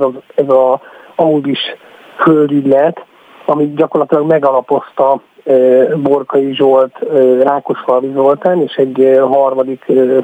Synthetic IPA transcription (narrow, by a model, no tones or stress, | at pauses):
zzɛzɒɒud̪iʃ | føld̪yɟʲlɛt̪ | ɒmiɟɒko̞rlɒt̪ilɒɡmɛɡɒlɒpo̞st̪ɒː | bo̞rkɒjiʒo̞lt̪ːraːkoʃfɒlvizo̞lt̪aːneːʃɛɟɦɒrmɒd̪ikː